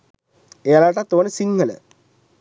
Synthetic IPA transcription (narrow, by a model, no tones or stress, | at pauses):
ejalaʈat̪ːoːnəsiŋɡələ̰